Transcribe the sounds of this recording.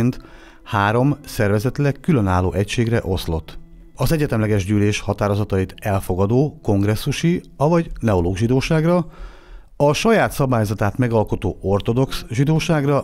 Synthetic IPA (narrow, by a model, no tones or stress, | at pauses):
nt̪ | haːɾo̞msɛrvɛzɛt̪lɛkːylø̞naːlːo̰ːʔɛcʃeːɡrɛʔo̞slo̞t̪ː | ɒzɛɟɛt̪ɛmlɛɡɛʒɟyːleːʃhɒt̪aːɾo̞zɒt̪ɒit̪ɛlfo̞ɡɒd̪oːko̞ŋɡrɛsːuʃiɒvɒɟnɛoloːɡʒid̪oːʃaːɡrɒ | ɒʃɒjaːt̪sɒbaːjozɒt̪aːt̪mɛɡɒlko̞t̪o̰ːo̞rt̪o̞d̪o̞ksʒid̪oːʃaːɡrɒ